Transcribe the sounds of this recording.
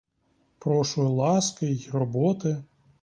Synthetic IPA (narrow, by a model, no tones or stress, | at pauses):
pɾɔʃʊjlˠɑskɪrɔbɔt̪ɪ